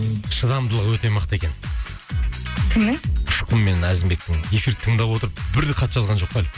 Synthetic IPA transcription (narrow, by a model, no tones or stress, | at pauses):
ʃəd̪ɑmd̪əlˠəʁwɵt̪e̞mɑqət̪e̞kʲe̞n | kʲʰɪmnɪʊʃqʰəmːe̞næzɪmbe̞k̚t̪ɪŋe̞fiɾɪt̪ʰəɴd̪ɑpwo̞t̪əɾəpbɪɾd̪eqʰɑt̪ːʒɑzʁɑnʒo̞q̚d̪æl